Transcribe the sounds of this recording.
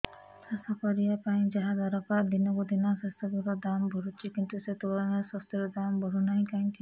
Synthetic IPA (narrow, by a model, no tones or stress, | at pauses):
sasɔkɔɾiapaĩd͡ʒaɦad̪aɾɔpad̪inɔkud̪inapest̪ɔɡuɾɔd̪ambʱɔɾut͡ʃʰikint̪uset̪ulɔnesɔst̪iɾɔd̪ambʱɔɾunaɦĩkaĩki